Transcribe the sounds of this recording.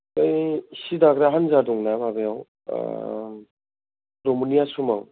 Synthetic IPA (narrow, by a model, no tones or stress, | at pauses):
ajsidaɡɾaɦanzaduŋnababejaw | ɾomunijasumaŋ